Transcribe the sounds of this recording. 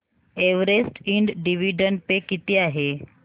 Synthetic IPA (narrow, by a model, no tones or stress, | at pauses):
eʋɾesʈiɳɖɖiʋiɖəɳɖpekit̪eaɦe